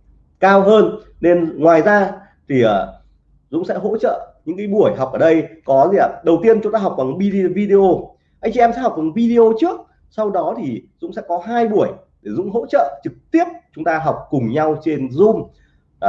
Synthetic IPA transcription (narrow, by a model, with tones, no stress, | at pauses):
kaː˧wɦəː˧n | ne˧nŋwaː˨˩jzaː˧ | t̪ʰi˨˩əː˨˩ | zʊ̰˧˥ŋ͡msɛ̰˧˥ɦo̰˧˥t͡ɕə̰ː˧˨ɲɨ̰˧˥ŋkaː˨˦jɓu˧˩əjɦa˨˩wk͡p̚ʔəː˧˩ɗə˧jkɔ˨˦zi˨˩aː˨˩ɗə˨˩wt̪i˧ənt͡ɕʊ˨˦ŋ͡mt̪aː˧˩ɦk͡pk̚vaː˨˩˨i˧vi˧ɗe˧o˧ | ʔa˧jŋt͡ɕɛ˨˧ɛ˧msɛ̰˧˥hk̚va˨˩˦vi˧ɗe˧ʔo˧t͡ɕɨ˦˥ək̚ | sa˧wɗɔ˨˦t̪ʰi˨˩zʊ̰˧˥ŋ͡msɛ̰˧˥kɔ˨˦ɦaː˧jɓu˧˩əj | ɗe˧˩zʊ̰˧˥ŋ͡mɦo̰˧˥t͡ɕə̰ː˧˨t͡ɕɨ˨˩k̚t̪i˦˥əp̚t͡ɕʊ˨˦ŋ͡mt̪aː˧ɦa˨˩wk͡p̚kʊ˨˩ŋ͡mɲa˧wt͡ɕe˧nzʊ˧ŋ͡m